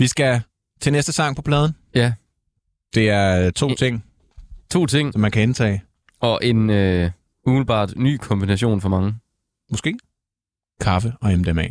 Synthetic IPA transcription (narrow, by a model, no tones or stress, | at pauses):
ʋisɡ̥æ | t͡sʰe̝nesd̥əsɑ̈ŋ̰pʰɒpʰlɛːð̞ˠən̩ | jæ | d̥e̝æɐt͡sʰo̝̰ːt͡sʰe̝ŋ̰ | t͡sʰo̝̰ːt͡sʰe̝ŋ̰sɒ̽mːænkʰæent͡sʰɛ̰ː | ɒ̽ʔe̝nø | uml̩ˠb̥ɑ̰̈ːd̥ny̰ːkʰɒ̽mb̥inæɕo̝̰ːnfɒ̽mɑ̈ŋə | mɒsɡ̥e̝̰ː | kʰɑ̈fəɒ̽emd̥emɛ̰